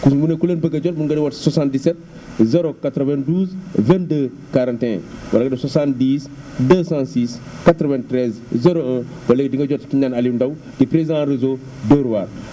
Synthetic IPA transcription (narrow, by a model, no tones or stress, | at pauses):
kumunekulenbəɡɐɟɔt̚muŋɡɐdiwɐtsasãndisɛt̚ | zɛɾokatɾəvɛ̃nduːzvɛ̃ndə | kaɾãːntɛ̰̃wɐ̰ɾɡɐdɐsasãndiːs | dəsãsiːs | katɾɔvɛ̃ntɾɛz | zɛɾoɛ̃ | bɐlekdiŋɡɐɟɔtkiɲanalindɐw | ɡipɾezãɾezo | dəɾuwaɾ